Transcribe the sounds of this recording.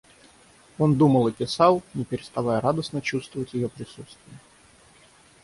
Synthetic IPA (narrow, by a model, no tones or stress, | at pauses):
o̞nd̪uməlˠɨpʲɪsɑlˠnʲɪpʲɪɾʲɪst̪avajəɾad̪əsnət͡ɕust̪vəvətʲjɪjopɾʲɪsut̪st̪vʲɪjə